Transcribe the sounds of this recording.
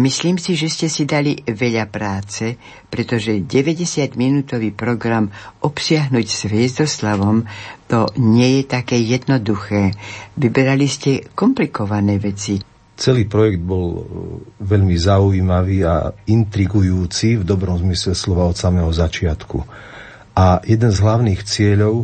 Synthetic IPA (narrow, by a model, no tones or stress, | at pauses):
misliːmsiʒɛscɛsid̪aliʋɛʎapɾaːt͡sɛ | pɾɛt̪ɔʒɛɟɛʋɛɟɛsɪad̪minuːt̪ɔʋiːpɾɔɡɾamʔɔpsɪaɦnuːcsʋɪɛzd̪ɔslaʋɔmt̪ɔɲɪɛjɛt̪akɛːjɛd̪nɔd̪uxɛːʋibɛɾaliscɛkɔmplikɔʋanɛːʋɛt͡si | t͡sɛliːpɾɔjɛɡd̪̚bɔl | ʋɛʎmizauiːmaʋiːa̰int̪ɾiɡujuːt͡sivd̪ɔbɾɔmzmislɛslɔʋaɔt̪samɛɦɔzat͡ʃɪat̪kṵ | ʔajɛd̪ɛnzɦlaʊniːxt͡sɪɛʎɔʊ